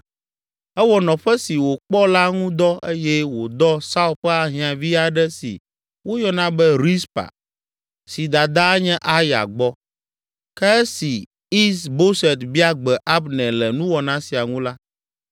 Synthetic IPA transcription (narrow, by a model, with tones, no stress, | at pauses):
ɛ˦wɔ˨nɔ̃˨ɸɛ˦si˨wo˨k͡pɔ˦la˦ŋũ˦d̪ɔ˦e˦jɛ˦wo˨d̪ɔ˦sa˦u˦ɸɛ˦a˨ɦĩ˨ã˨vi˦a˨ɖɛ˦sḭ˨ | wo˦jɔ˦nã˦bɛ˦ɾi˦spa̰˨ | si˨d̪a˨d̪a˦ɲɛ̃˦ʔa˦ja̰˨ɡ͡bɔ˦ | kɛ˦si˨ | i˦sbo˦sɛ˨t̪bi˦a˦ɡ͡bɛ˨ʔa˦bnɛ̃˨lɛ˨nũ˦wɔ˨nã˦si˨a˨ŋũ˦la˦